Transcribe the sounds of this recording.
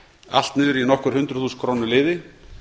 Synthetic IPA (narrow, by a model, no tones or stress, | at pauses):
a̰l̥t̪nɪːɾinɔhkvʏɾ̥hʏnt̪ɾʏ̥θuskʰɾoːwnʏlɪːðɪ